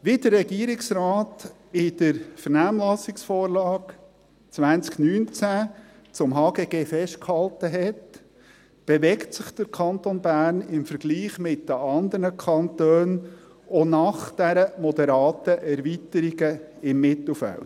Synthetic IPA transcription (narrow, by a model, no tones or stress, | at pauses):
ʋidərːɛɡiəɾɪksɾaːt̪ | ɪd̥əɾfəɾnæːmlɑsɪksfɔːɾlɑːk | t͡sʋænt͡sknyːnt͡sæ | t͡sʊmɦɑːɡeːɡ̥eːfɛʃtkhɑltəɦɛt | b̥eʋɛktsɪχd̥əɾkʰɑnt̪onbæːɾnɪmfəɾɡ̥liːχmɪtdəɑnd̪əɾnəkʰɑntøːn | onɑχd̥æɾəmɔd̪ɛɾɑːtəʔɛɾvitəɾiɡə | ɪmːɪt̪l̩fæ̰l